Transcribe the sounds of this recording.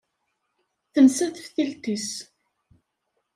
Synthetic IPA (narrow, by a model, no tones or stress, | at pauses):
θənsæθfθilt̪is